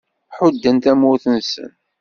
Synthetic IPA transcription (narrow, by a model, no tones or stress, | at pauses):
ħʊd̪ːənt̪æmʊɾθənsə̰n